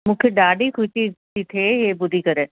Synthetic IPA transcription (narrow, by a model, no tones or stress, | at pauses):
mʊ̃kʰeɖaːɖikʰʊit͡ʃikit̪ʰeɦeːbʊd̪iːkəɾeː